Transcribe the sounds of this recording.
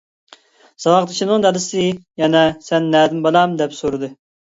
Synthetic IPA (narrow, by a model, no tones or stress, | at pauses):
sɑwɑqd̪ɨt͡ʃʰinɨŋd̪ɛlɪsɨjɛnɛsɛnːæːd̪ɪmbɑlˠɑmd̪ɛpsoɾɨd̪ɨ